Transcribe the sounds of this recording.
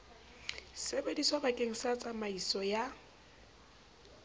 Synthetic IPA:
sebediswabakʼeŋ̩sat͡sʼamaisɔja

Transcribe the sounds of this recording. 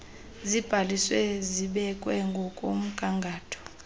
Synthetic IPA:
zib̥ʱaliswɛziɓɛkʼwɛŋɡʱɔkʼom̩ɡʼʱaŋɡʱaːtʰɔ̥

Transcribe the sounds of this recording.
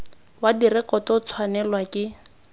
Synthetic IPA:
wadirɪkɔtɔt͡sʰwanɛlwakʼɪ

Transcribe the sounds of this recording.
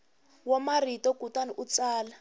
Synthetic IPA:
wamaritɔkutaniʔut͡saːla

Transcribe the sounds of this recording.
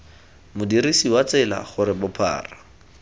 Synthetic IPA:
mʊdirisiwat͡sɪla̰χʊɾɪbʊpʰa̰ːra

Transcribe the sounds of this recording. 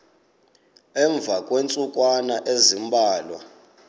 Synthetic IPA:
ɛɱb̪vʱakʼwent͡sʼukʼwanaʔezimbʱaːlwa̰

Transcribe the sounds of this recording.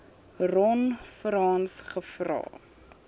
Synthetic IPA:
rɔnfrɑːnsχəfrɑ̰ː

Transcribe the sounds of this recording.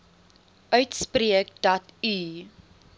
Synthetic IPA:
ʔœɥtspriəkdɐti

